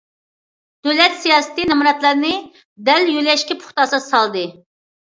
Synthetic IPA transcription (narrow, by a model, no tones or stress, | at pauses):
d̪̥øwlɛt̪sijɑːsɨ̥t̪ɨnɨmuɾɛt̪lˠɨɾnɨ | d̪ɛljylɛʃkʲɛpʰʊ̥χt̪ɑsɨsɑlˠd̪ɨ